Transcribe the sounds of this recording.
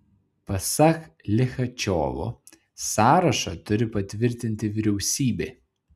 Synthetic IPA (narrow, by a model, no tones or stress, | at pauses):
pɐsɐk | lʲɪxɐt͡ʃʲɔ̰ːʋo̰ | sɑːɾɐʃɐt̪ʊɾʲɪpɐt̪ʲʋʲɪɾʲt̪ʲɪnʲt̪ʲɪʋʲɪɾʲɛʊsʲiːbʲe